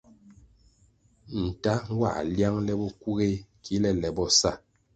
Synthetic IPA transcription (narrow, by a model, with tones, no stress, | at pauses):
n̩˨ta˦wa̰˦˨ʔlja˦ŋlɛ˦bɔ˦ku˦ɣe˦kʰi˨˦lɛ˦lɛ˨bɔ˦sa˦˨